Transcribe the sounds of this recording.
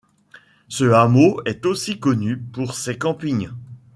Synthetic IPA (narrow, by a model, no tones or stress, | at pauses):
səamoɛt̪osikɔnypuʁsekɑ̃piɲ